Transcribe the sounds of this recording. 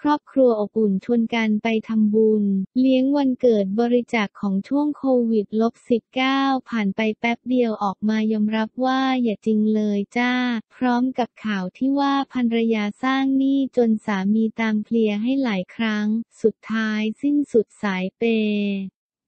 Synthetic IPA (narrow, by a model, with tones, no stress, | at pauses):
kʰɾɔː˥˩p̚kʰɾu˧ɐʔo˨˩p̚ʔu˨˩nt͡ɕʰu˧ənka˧npa˧jt̪ʰa˧mbu˧nli˦˥əŋwa˧nkɤː˨˩t̪̚bɔː˧ɾi˦˥t͡ɕaː˨˩kʰːɔː˩˦ŋt͡ɕʰu˥˩əŋkʰoː˧wi˨˩t̪̚lo˦˥p̚si˨˩p̚kaː˥˩wpʰaː˨˩npa˧jpɛ˦˥p̚di˧əwʔɔː˨˩k̚maː˧jɔː˧mɾa˦˥p̚waː˥˩jaː˨˩t͡ɕi˧ŋlɤː˧jt͡ɕaː˥˩pʰɾɔː˦˥mka˨˩p̚kʰaː˨˩wt̪ʰiː˥˩waː˥˩pʰa˧nɾa˧jaː˧saː˥˩ŋniː˥˩t͡ɕo˧nsaː˩˦miː˧t̪aː˧mpʰli˧əɦa˥˩jlaː˩˦jkʰɾa˦˥ŋsu˨˩t̪ʰːaː˦˥jsi˥˩nsu˨˩t̪̚saː˩˦jpeː˧